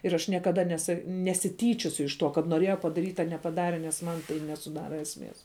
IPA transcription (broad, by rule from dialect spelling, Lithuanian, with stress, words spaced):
ɪr ɐʃ nʲiɛkɐˈdɐ nʲɛsɐ nʲɛsʲɪˈtʲiːt͡ʃʲoːsʲʊ ɪʃ ˈtuɔ kɐt noːˈrʲiɛjɛ pɐdɐˈrʲiːtʲ ɐ nʲɛpɐˈdɑːrʲɛ nʲɛs ˈmɐn tɐɪ nʲɛsʊˈdɑːrɐ ɛsʲˈmʲeːs